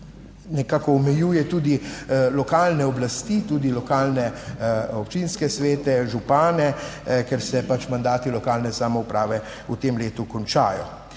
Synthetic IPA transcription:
nɛkaːkɔːmɛjuːjɛt̪uːd̪ilɔkaːlnɛɔblast̪it̪uːd̪ilɔkaːlnɛɔpt͡ʃinskɛsʋeːt̪ɛʒupaːnɛkɛɾsɛpat͡ʃmand̪aːt̪ilɔkaːlnɛsamɔupɾaːʋɛ | ut̪emleːt̪ukɔnt͡ʃa̰ːjɔ̰

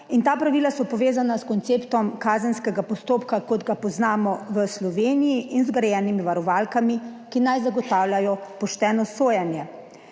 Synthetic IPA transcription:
int̪aːpɾaʋiːlasɔpɔʋeːzanaskɔnt̪seːpt̪ɔmkaːzənskɛɡapɔst̪oːpkakɔd̪ɡapɔznaːmɔʋəslɔʋeːnijiʔinzɡɾɛjɛːnimiʋaɾɔʋaːlkamikinajzaɡɔt̪aːwlʲjajɔpɔʃt̪ɛːnɔsoːjanjɛ

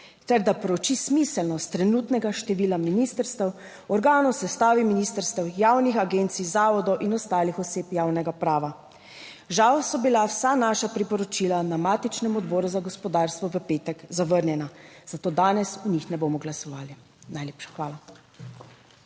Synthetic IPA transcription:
t̪ɛɾd̪apɾɔt͡ʃismisɛlnɔst̪ːɾɛnuːt̪nɛɡaʃt̪ɛʋiːlaminiːst̪əɾst̪ɛw | ɔɾɡaːnɔwsɛst̪aːʋiminiːst̪əɾst̪ɛwjaːwnixaɡent̪sizaːʋɔd̪ɔwʔinɔst̪aːlixɔseːpjaːwnɛɡapɾaːʋa | ʒawsɔbilawsanaːʃapɾipɔɾɔt͡ʃiːlanamaːt̪it͡ʃnɛmɔd̪bɔːɾuzaɡɔspɔd̪aːɾst̪ʋɔʋəpeːt̪ɛkzaʋəɾnjɛnaz̥at̪oːd̪aːnɛsuɲixnɛboːmɔɡlasɔʋaːli | najleːpʃḁxʋaːla

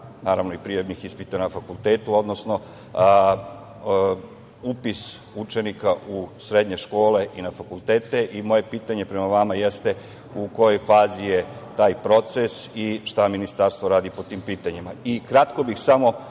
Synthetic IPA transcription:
naːɾaʋnoipɾijobnixispit̪anafakult̪eːt̪uo̞d̪no̞sno̞ | upis | ut͡ʃe̞nikausɾe̞d̪ɲe̞ʃko̞ːle̞ʔinafakulˠt̪eːt̪e̞ʔimo̞je̞piːt̪aɲe̞pɾe̞maʋamajest̪e̞ | uko̞jo̞jfaːzije̞t̪aːjpɾo̞t̪sesiʃt̪aminist̪aɾst̪ʋo̞ɾaːd̪ipo̞t̪iːmpiːt̪aɲimaikɾat̪ko̞bixsamo̞

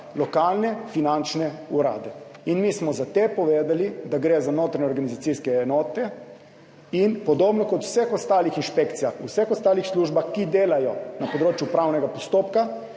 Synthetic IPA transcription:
lɔkaːlnɛfinant͡ʃnɛuɾa̰ːd̪ɛinmismɔzat̪epɔʋeːd̪alid̪aɡɾeːzanoːt̪ɾaɲɛoɔɾɡanizat̪siskɛɛnɔːt̪ɛ | inpɔd̪oːbnɔkɔt̪u̥sɛxɔst̪aːlixinʃpekt̪sijaxusɛxɔst̪aːlixsluːʒbaxkid̪eːlajɔnapoɔd̪ɾoːt͡ʃjupɾawnɛɡapɔst̪oːpka

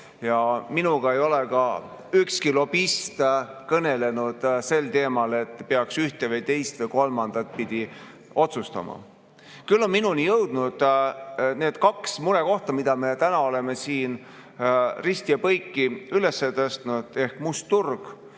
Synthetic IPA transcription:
jɑminuɡ̥ɑe̞jo̞leɡ̥ɑ | ykskilo̞b̥ist̪kɤne̞le̞nud̪̥se̞lt̪e̞ːmɑle̞t̪ːˑpeɑksyht̪evɤjt̪e̞jst̪vɤjko̞lmɑnd̪̥ɑt̪̚ːˑpid̪̥i | o̞t̪sust̪ɑ̰mɑ̰ | kylːo̞nminunijɤwd̪̥nud̪̥ | ne̞ːd̪̥kɑksmuɾe̞ko̞ht̪ɑmid̪̥ɑmet̪ænɑo̞le̞me̞siːn | rist̪iɑpɤjkˑːiyle̞sːet̪ɤst̪nud̪̥e̞hkmust̪ːurɡ̥

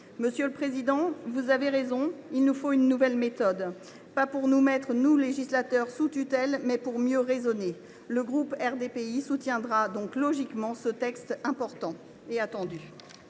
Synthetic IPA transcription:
məsjøləpχezid̪ɑ̃vuzaveʁezɔ̃ilnufoynːuvɛlmet̪ɔd̪ | papuʁnumɛt̪χnuleʒislat̪œʁsut̪yt̪ɛlmɛpuʁmjøʁezɔne | ləɡʁupɛʁd̪epeisut̪jɛ̃d̪ʁad̪ɔ̃klɔʒikmɑ̃sət̪ɛkst̪ɛ̃pɔʁt̪ɑ̃ | eat̪ɑ̃d̪y

